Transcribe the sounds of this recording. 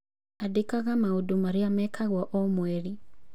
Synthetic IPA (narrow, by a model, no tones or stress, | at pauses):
adekaɣamaudumaɾiamɛkaɣwɔʔɔmwɛɾi